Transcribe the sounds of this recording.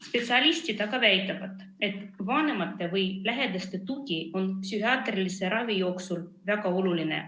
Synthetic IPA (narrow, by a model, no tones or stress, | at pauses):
spe̞t̪siɑlʲisʲt̪id̪ɑɡɑvæjt̪ːˑɑvɑd̪ | e̞t̪ːˑvɑːne̞mɑt̪ːe̞vɯjlæɦe̞d̪ɑst̪e̞t̪ukio̞npsʲyɦiɑːt̪rilise̞ɾɑvijo̞ːksul | væɡɑo̞lulinḛ